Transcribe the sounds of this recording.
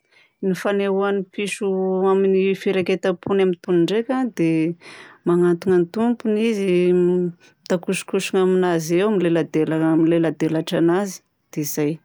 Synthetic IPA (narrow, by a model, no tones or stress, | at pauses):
nifaneɦuanipiʃuaminifiɾaket̪əpunamint̪uniɳɖ͡ʐekʲad̪e | maŋant̪uŋənt̪umpunizi | t̪akuʃi̥kuʃiŋaminazewmilelad̪elamilelad̪elaʈ͡ʂanazi̥ | d̪̥eizaj